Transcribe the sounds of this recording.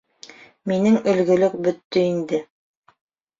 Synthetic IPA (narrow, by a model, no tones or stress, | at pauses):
minɘŋɵ̆lɡɵ̆lɵk̚bɵ̆t̪ːɵind̪ɘ